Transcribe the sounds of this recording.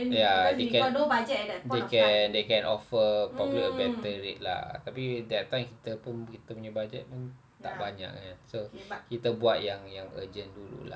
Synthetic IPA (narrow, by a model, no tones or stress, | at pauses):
jadekɛ̃dbad͡ʒɛtɛtdekɛndekɛ̃nɔfəpablikəbɛt̪əɾet̪̚la̰t̪apidɛt̪ːajmkit̪əpʊnkit̪əpuɲd͡ʒabad͡ʒɛ̰t̪̚pʊn | t̪a̰ʔbaɲa̰ʔŋansokit̪əbuat̪̚jaŋjaŋə̰d͡ʒəndulṵla̰